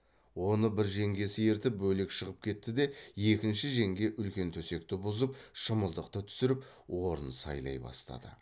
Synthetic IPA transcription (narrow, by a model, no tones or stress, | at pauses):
wo̞nəbɪɾʒe̞ŋɡʲe̞sɪje̞ɾt̪ɪp̚bɵle̞kʃəʁəp̚kʲʰe̞t̪ːɪd̪e̞je̞kʲɪnʃɪʒe̞ŋɡʲe̞ʔʏlkʲe̞nt̪ʰɵse̞k̚t̪ɪbʊzəp̚ʃəməlˠd̪əqt̪ət̪ʰʏ̥sɪɾɪp | wo̞ɾənsɑ̰jlˠɑ̰jbɑ̰st̪ɑ̰d̪ə̰